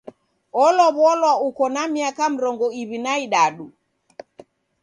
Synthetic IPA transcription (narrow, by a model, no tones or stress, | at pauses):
ɔlɔβwɔlwaukɔnamiakam̩ɾɔŋɡɔiβinaiɗaɗu